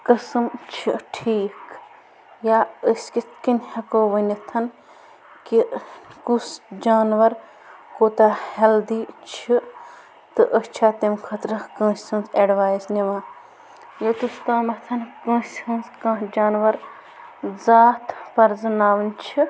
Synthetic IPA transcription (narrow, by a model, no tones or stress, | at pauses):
kɐsɨmt͡ʃʰiʈʰiːk | jaːəskit̪kinʲhɐkoːʋɐnʲit̪ʰɐn | kikusd͡ʒaːnʋɐɾ | koːt̪aheld̪iːt͡ʃʰi | t̪ɨʔəst͡ʃʰaːt̪emkʰɐt̪ɾɐkɐ̃ːnsʲɐ̃nseɖʋaːjzniʋãː | jɐt̪ust̪aːmɐt̪ʰɐnkɐ̃ːsʲɐnskãːd͡ʒaːnʋɐɾ | zaːt̪pɐɾzɐnaːʋɨnt͡ʃʰi